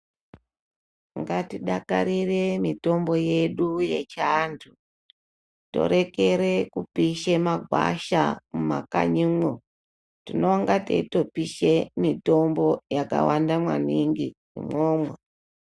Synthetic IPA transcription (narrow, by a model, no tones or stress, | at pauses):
ŋɡatiɗakaɾire̞mito̞mbo̞je̞ɗuje̞t͡ʃantʰu | to̞̰ɾe̞ke̞ɾe̞kupiʃemaɡʱwa̰ʃamuma̰ka̰ɲimo | tino̞ŋɡatḛitopiʃemito̞mbo̞jaka̰wandamwa̰niŋɡinḭmwoːmwe